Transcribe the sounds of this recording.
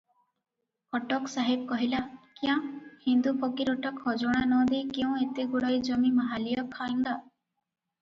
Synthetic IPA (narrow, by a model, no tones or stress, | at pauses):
ɔʈɔksaɦib̚kɔɦilakiãhind̪upɔɡiɾɔʈɔkhɔd͡ʒɔɽ̃anɔd̪ekew̃et̪eɡuɽɔjd͡ʒɔmimaɦalijɔkʰaiŋɡ̪a